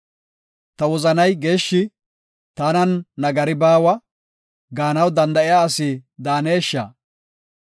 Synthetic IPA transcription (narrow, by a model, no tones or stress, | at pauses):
t̪ɐwɔzɐnɐjɡe̞ːʃːɪ | t̪ɐnɐnːɐɡɐɾɪbaːwɐ | ɡaːnɐwd̪ɐnd̪ɐʔɪjaːsɪd̪aːne̞ːʃːa̰ː